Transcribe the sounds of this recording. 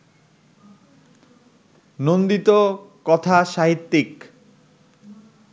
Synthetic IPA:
nond̪it̪okɔt̪ʰaʃaɦit̪ːik

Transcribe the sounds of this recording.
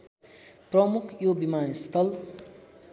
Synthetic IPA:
prɔmukʰjobimaːnist̪ʰʌl

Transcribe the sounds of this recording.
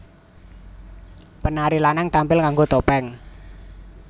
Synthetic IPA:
pənaɾilanaŋt̪ampɪlkaŋɡot̪opɛŋ

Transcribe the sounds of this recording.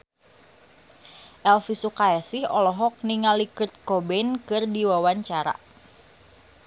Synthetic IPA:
ʔɛlfisukaɛsihɔlɔɦɔk̚niŋalikɨt̪̚kobɛnkɨrdiwawaɲt͡ʃaɾa̰

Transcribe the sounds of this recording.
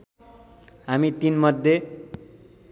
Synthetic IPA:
ɦamit̪inmʌd̪ʱje

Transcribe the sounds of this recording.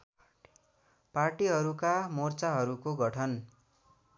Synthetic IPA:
parʈiɦʌɾukamort͡saɦʌɾukoɡʱʌʈʰʌn

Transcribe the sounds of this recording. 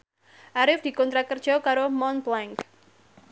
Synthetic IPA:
ʔaɾɪfd̪̥i̤kɔnt̪ɾakərd̥ʒ̥ɔkaɾomɔnblɛŋk

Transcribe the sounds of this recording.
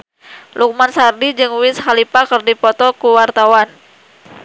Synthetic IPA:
luk̚mansardid͡ʒɨŋwɪnshalipakɨrdipɔt̪ɔkuwart̪awan

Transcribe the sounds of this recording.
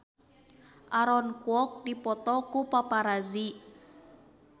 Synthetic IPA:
ʔaɾɔnkuɔk̚dipɔt̪ɔkupapaɾazi

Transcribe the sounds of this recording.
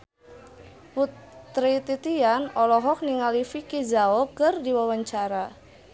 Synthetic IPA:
put̪ɾit̪it̪ianɔlɔɦɔk̚niŋalifikizaokɨrdiwawaɲt͡ʃaɾa

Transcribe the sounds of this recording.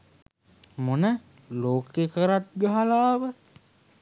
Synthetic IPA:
monə | loːkekəɾat̪̚ɡəɦalaːʋə

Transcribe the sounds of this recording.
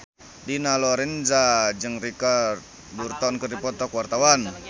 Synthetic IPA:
dinalɔɾɛnzad͡ʒɨŋrikart̪̚ | burt̪ɔnkərdipɔt̪ɔkwart̪awan

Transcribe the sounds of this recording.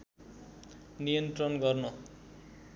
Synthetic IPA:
nijʌnt̪rʌnɡʌrnʌ

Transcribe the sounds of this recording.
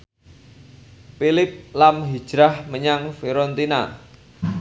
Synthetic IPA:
pilɪp̚lamɦi̥ʒ̥ɾahməɲaŋfiɾɔnt̪ina̰

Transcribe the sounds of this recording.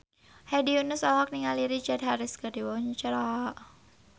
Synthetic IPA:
hadiunʊsɔlɦɔk̚niŋaliɾit͡ʃard̪̚ɦaɾɪskəd̥iwɔɲt͡ʃɾaʔ

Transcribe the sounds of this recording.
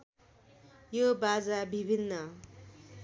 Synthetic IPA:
jobad͡zabʱibʱinːʌ

